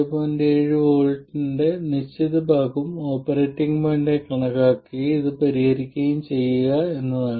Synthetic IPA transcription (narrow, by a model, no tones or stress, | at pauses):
ɐpːoːndeeːɻɨʋo̞ːɻʈːinde̞nit͡ɕːitðɐbaːɣumo̞ːpːɐreːʈːiŋɡmɐːɳɖekɐɳɐɣaːkːiiðɨpɐɾihɐɾikʲːɐjumt͡ɕe̞jːuɣɐe̞nːɐðaː